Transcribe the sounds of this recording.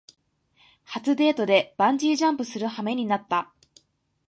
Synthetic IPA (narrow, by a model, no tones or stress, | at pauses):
hat͡sɨd̪e̞ːt̪o̞d̪e̞b̥ãɲ̟d͡ʑiːʑãmpɯ̟sɨɾɯ̟hame̞ɲ̟inat̪ːa